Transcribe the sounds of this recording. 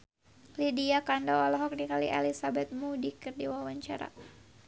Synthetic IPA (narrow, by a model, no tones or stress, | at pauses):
lidiakandɔɔlɔɦɔk̚dikalḭʔɛlisabɛt̪̚mudikɨrdiwawaɲt͡ʃaɾa̰